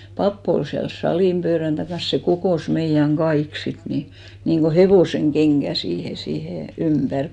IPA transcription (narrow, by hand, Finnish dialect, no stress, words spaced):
pɑpː ol siæl sɑliˑm pøːræn tɑkɑns se kokoˑs meijæŋ ɡ̊ɑik sit ni niŋɡ̊o heʋoˑseŋɡ̊eŋɡ̊æ siːhe siːhe ympær